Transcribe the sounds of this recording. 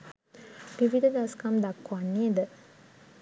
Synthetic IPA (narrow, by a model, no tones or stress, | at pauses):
biʋid̪əd̪askamd̪akːuanːied̪ə